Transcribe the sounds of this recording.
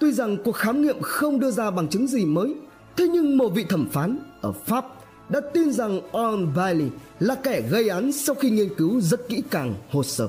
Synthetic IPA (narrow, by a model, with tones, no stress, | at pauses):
t̪wi˧za˨˩ŋku˨˩ək̚xaː˨˦mŋḭ˧˨əmxə˧wŋ͡mɗɨ˧əzaː˧ɓa˨˩ŋt͡ɕɨ˨˦ŋzi˨˩məː˨˦j | t̪ʰe˨˦ɲɨ˧ŋmo˨˩vḭ˧˨t̪ʰə˧˩mfaː˨˦nʔəː˧˩faː˦˥p̚ | ɗa̰ː˧˥t̪i˧nza˨˩ŋʔɔ˧nvaː˧li˧ | laː˨˩kɛ˧˩ɣə˧jʔa˨˦nsa˧wxi˧ŋi˧ənkɨ˨˦wzə˦˥t̚kḭ˧˥kaː˨˩ŋho˨˩səː˧˩